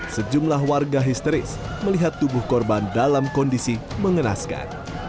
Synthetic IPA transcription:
səd͡ʒumlahwarɡaɦist̪əɾɪs | məliɦat̪ːubʊhkɔrbandalamkɔndisiməŋəna̰ska̰n

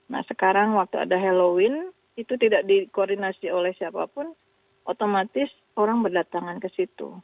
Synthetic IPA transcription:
na̰hsəkaɾaŋwak̚t̪ua̰daɦelowɪn | it̪ut̪idakdikoːrdinasiolɛhsiapa̰pʊn | ʔot̪omat̪ɪs | oɾaŋbərdat̪aŋankəsit̪ṵ

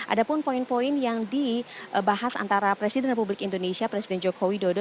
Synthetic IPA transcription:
ʔa̰dapʊnpoinpoɪnjaŋdiʔbaɦasa̰nt̪aɾapɾesidɛnrepublɪkindonesiapɾɛsidɛnd͡ʒokowidodo

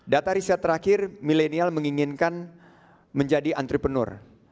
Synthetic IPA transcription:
dat̪aɾisat̪ːəɾakɪrmilenialməŋiŋɪnkan | məɲd͡ʒadiʔant̪ɾipənʊ̰r

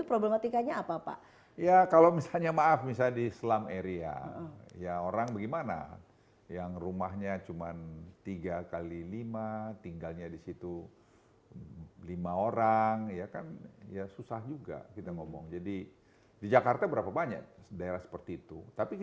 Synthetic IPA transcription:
t̪upɾoblemat̪ikaɲaːpapa̰ | jakalawmisalɲamaːfmisadislameɾia̰jaoɾaŋbaɡimana̰ | jaŋrumaɦɲat͡ʃumant̪iɡakalilimat̪iŋɡalɲadisit̪u | limaoɾaŋjakanjasusahd͡ʒuɡa̰kit̪aŋɔmɔ̰ŋd͡ʒadi | did͡ʒakart̪abəɾapabaɲa̰k̚daeɾahsə̥pərt̪iːt̪ut̪api

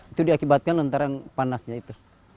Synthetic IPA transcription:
it̪udiakibat̪̚kanlant̪aɾanpanasɲait̪u

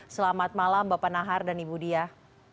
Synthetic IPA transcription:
səlamat̪̚malambapanaɦardanibudia

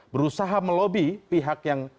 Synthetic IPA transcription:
bəɾusaɦaməlobipiɦakjaŋ

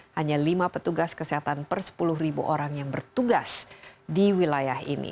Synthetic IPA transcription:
haɲalimapət̪uɡaskəsiɦat̪anpərsə̥pulʊɦribṵʔoɾaŋjaŋbərt̪uɡasdiwilajahḭnḭ

